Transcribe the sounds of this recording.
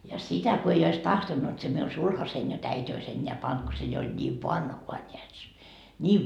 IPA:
jɑ sitæ ko ei ois tɑhtonːut se miun sulhɑsein jot æitʲ ois enʲːeæ pɑnt ko se jo olʲ nʲiːʋ ʋɑnhuɑ nʲeæt se nʲiːʋ

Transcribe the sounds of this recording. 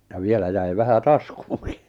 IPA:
jɑ ʋielæ jæi ʋæhæ tɑskuːŋki

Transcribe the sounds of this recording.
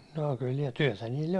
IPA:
noː kyl niː tyæ̹tæ niːlː

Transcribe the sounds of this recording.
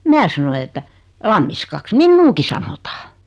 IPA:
mæː sɑnoi etːæ lɑmːiskɑks minːuːki sɑnotɑ

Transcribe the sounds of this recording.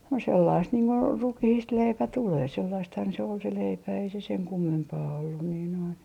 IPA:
no selːɑist niːŋ ko rukihiːst leipæ tuleː selːɑisthɑn se ol se leipæ ei se seŋ kumːempɑː olːun niː noin

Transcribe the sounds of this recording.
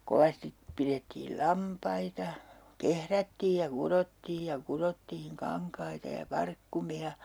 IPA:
koʋɑstip piretːiːl lɑmpɑitɑ kehrætːiːj jɑ kurotːiːj jɑ kurotːiːŋ kɑŋkɑitɑ jɑ pɑrkːumiɑ

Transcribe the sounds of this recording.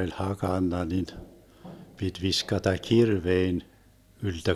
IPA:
olʲ hɑkɑnːɑ nin pit ʋiskɑtɑ kirʋein yltø

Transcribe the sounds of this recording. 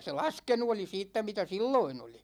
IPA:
se lɑskenu oli siːtːæ mitæ silːoin oli

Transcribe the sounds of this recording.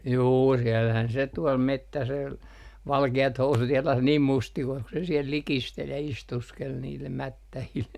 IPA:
juː siɛlːæhæn se tuɔl metːæsel ʋɑlkeɑt housut jɑlɑs niːm mustikois ku se siɛl likistel jɑ istuskel niːlːem mætːæhil

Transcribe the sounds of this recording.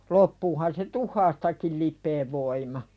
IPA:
lopːuːhɑn se tuhˑɑːstɑkil lipˑeːʋ ʋoimɑ

